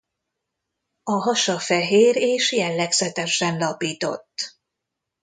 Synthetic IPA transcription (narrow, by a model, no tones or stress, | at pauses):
ɒɦɒʃɒfɛɦeːɾeːʃjɛlːɛɡsɛt̪ɛʃɛnlɒpiːt̪o̞̰t̪ː